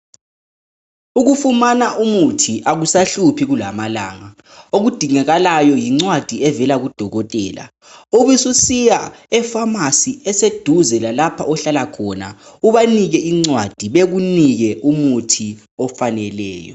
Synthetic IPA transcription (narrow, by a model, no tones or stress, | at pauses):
uɣufumanaʔumutʰiʔaɣusaɬupʰiɣulamalaːŋa | oɣud̥ʱiŋɛɣalajɔjiŋ͡ǀwad̥ʱiɛvɛlaɣud̥ʱɔɣɔtʼɛ̰ːla̰ | uβisusijaɛfamasiɛsed̥ʱuzɛlalapʰaʔɔɬalakʰɔna̰uβaniɣɛiŋ͡ǀwad̥ʱiβeɣuniɣɛʔumutʰi | ɔfanɛlɛ̰ːjɔ̰